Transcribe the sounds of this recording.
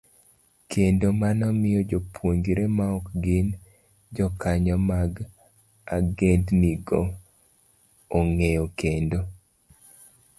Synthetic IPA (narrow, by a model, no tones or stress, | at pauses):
kʰendomanɔmɪjɔd͡ʒopʰwoŋɡiɾemaɔkɡɪn | d͡ʒɔkaɲɔmaɡ | aɡendniɡo | ŋejɔkʰendo